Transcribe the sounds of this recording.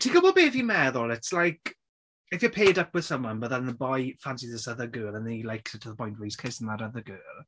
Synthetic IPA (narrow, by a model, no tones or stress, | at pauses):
tʰikəbɔbeːvimɛðɔlˠɪtslajk | ɪfjəpʰeːdəkwɪð̥sə̃mwənbəðənnəbɔjfansiðɪsəðəɡɜːlˠənilajksɪtʰəðəpʰɔ̃jntwiskʰɪsən̩ðatəðəɡɜːlˠ